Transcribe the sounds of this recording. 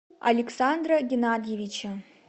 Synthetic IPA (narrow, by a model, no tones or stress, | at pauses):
a̰lʲɪksand̪rɐɡʲenad̪ʲjevʲit͡ʃʰɐ